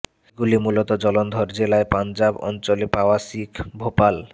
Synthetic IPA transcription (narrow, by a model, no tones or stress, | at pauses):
ɡulimulot̪od͡ʑɔlond̪ʱɔɾd͡ʑelaepand͡ʑabɔ̰nt͡ɕolepaoasikbʱopal